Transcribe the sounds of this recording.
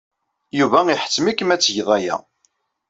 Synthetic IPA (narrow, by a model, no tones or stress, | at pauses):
juvæiħə̥t͡sːmikːəmæt͡sːʝðˤæjæ̰